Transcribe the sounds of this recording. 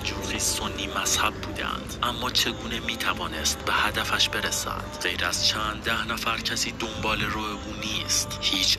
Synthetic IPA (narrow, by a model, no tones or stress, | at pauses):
d͡ʒuːɣiːsonːiːmæshæbːuːd̪æ̰nd̪̥ʔæmːɒːt͡ʃʰe̞ɡuːne̞miːt̪ʰævɒːne̞st̪be̞hæd̪æfæʃbe̞ɾesæ̰nd̪̥ɢe̞jɾæz̥t͡ʃʰænd̪d̪æhnæfæɾcʰæsiːd̪o̞mbɒːle̞ɾuːeʔuːniːst̪hiːt͡ʃʰ